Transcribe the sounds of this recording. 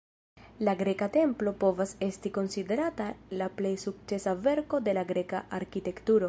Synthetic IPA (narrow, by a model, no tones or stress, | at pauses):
laɡɾe̞kate̞mplo̞po̞vase̞stiko̞nside̞ɾatalaple̞jsuk̚t͡se̞save̞ɾko̞de̞laɡɾe̞kaaɾkite̞ktuɾo̞